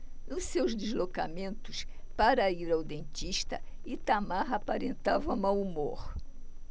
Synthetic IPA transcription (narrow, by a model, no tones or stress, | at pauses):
nʊsewzd̪ezloka̰mẽnt̪ʊs | paɾɐiɾawd̪ẽnt͡ʃ̪iʃt̪ɐ̰ɪt̪amaɦapaɾẽnt̪avɐ̃mawumoɾ